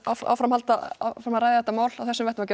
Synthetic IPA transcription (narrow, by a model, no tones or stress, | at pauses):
awa̰wfɾamhalt̪afɾamaɾaːjðɪðɛt̪ːamaːwlawθɛsːʏmvɛht̪ɪmawcɛ